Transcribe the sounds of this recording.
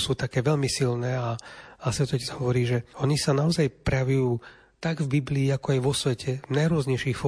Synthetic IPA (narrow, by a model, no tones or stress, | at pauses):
suːt̪akɛːʋɛʎmisilnɛːaasʋɛt̪ɔɛcɛzɦɔʋɔɾiːʒɛɔɲisanaɔzajpɾɛjaʋujuː | t̪aɡvbibliːakɔajʋɔsʋɛcʰɛvnajɾʊɔzɲɛjʃiːxfɔ